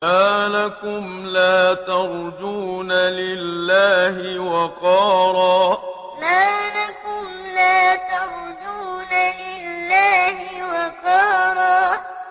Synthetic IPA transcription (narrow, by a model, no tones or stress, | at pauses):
maːlakʊmlaːt̪ɑɾˤd͡ʒuːnalɪlːaːhɪwɑqɑːɾˤɑː | maːlakʊmlaːt̪ɑɾˤ | d͡ʒuːnalɪlːaːhɪwɑqɑːɾˤɑː